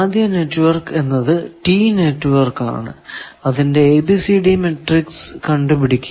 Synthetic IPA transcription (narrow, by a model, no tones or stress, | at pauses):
d̪ʱjɐne̞ʈːʋɐrke̞nːɐðɨʈiːne̞ʈːɨʋɐrka̰ːɳɨ̰ɐðinde̞ːbisiɖime̞ʈrikskɐɳɖupiɽikʲːu